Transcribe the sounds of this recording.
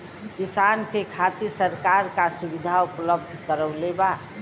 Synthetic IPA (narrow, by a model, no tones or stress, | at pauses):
kisankekʰat̪isəɾkaɾkasubɪd̪ʱaʊpələbd̪ʱkəɾəʊleba